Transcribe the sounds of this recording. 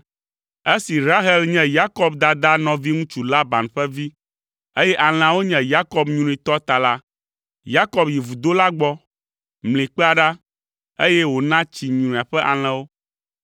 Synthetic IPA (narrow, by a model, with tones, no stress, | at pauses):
e˦si˨ɾa˦ɦɛ˦lɲɛ̃˦ja˦kɔ˦bd̪a˨d̪a˦nɔ̃˨vi˦ŋũ˦t͡ʃu˨la˦ba˨nɸɛ˦vi˦ | e˦jɛ˦ʔa˨l̃ã˨wo˦ɲɛ̃˦ja˦kɔ˨bɲ̃˨ũ˨ĩ˨t̪ɔ˦t̪a˨la˦ | ja˦kɔ˦bji˨vu˨d̪o˦la˦ɡ͡bɔ˦ | mlĩ˨k͡pɛ˦a˨ɖa˦ | e˦jɛ˦wo˨nã˦t͡ɕi˨ɲ̃˨ũ˨a˨ɸɛ˦ʔa˨l̃ɛ̃˨wo˦